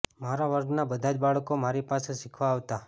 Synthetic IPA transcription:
maɾaʋəɾɡnabəd̪ʱad͡ʒbaɭkomaɾipaseʃɪkʰʋaːʋt̪a

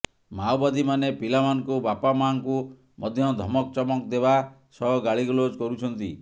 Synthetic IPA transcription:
mawbad̪imanepilamanɔkubapamaŋku | mɔd̪ʱjɔd̪ʱɔmɔkt͡ʃɔmɔkd̪eba | sɔɦɔɡaɭiɡɔlod͡ʒkɔɾut͡ʃʰɔnt̪i

